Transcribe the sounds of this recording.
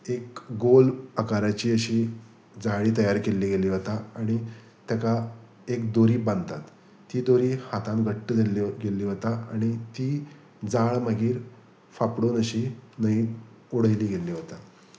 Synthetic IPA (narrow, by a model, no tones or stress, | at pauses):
ekɡolakaɾat͡ɕiːəɕiː | d͡zaɭiːt̪əjaɾkelːiːɡeliːɦot̪aaɽ̃i | t̪jaka | ek̚d̪oɾiːbãnd̪t̪at̪ː | iːd̪oɾiːhat̪ãnɡʱəʈːəd͡zeliɡeliːɦot̪aaɽ̃it̪iː | d͡zaɭməɡiːɾ | fapɽoːnəɕiːnəi | uɽ̤əjliːɡeliːɦot̪a